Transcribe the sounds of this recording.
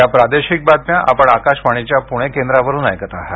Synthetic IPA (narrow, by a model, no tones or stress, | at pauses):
japɾad̪eɕik̚bad̪̚mjaʔa̰pəɳakaɕʋaɽ̃it͡ɕjapuɽ̃ekend̪ɾaʋəɾuːna̰jkət̪aɦa